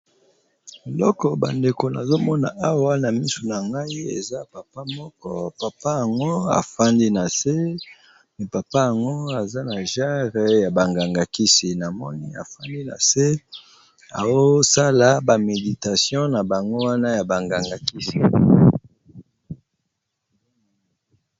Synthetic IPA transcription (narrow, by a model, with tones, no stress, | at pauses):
e˨lɔ˦kɔ˨ba̰˨nde˨ko˨na˨zo˦mɔ˦na˨ʔa˦wa˦na˨mi˦so˨na˨ŋɡa˦i˦ḛ˨za˦pa˨pa˦mɔ˦kɔ˦pa˨pa˦ja˨ŋɡo˦a̰˨fa˦ndi˦na˨se˦ | ne˨pa˨pa˦ja˨ŋɡo˦a˨za˦na˨ʒa˦ʁe˨ja˨ba˨ŋɡa˨ŋɡa˨ki˦si˨na˨mɔ̰˦ni˦a̰˨fa˦ndi˦na̰˨se˦ | a̰˨wo˦sa˦la˦ba˨me˨di˨ta˨sjɔ̃˦na˨ba˨ŋɡo˦wa˦na˦ja˨ba˨ŋɡa˨ŋɡa˨ki˦si˨